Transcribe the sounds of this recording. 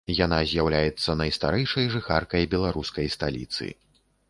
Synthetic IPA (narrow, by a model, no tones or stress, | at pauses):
janazʲjawlʲajɛt̪sːɐnɐjst̪aɾɛjʂɐjʐɨxarkɐjbʲɛlˠaɾuskɐjst̪alʲḭt̪sɨ̰